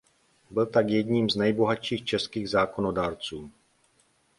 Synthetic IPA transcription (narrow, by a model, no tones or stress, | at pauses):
bɪlt̪akjɛdɲiːmznɛjbo̞ɦatʃiːxt͡ʃɛskiːɣzaːko̞nodaːɾt͡suː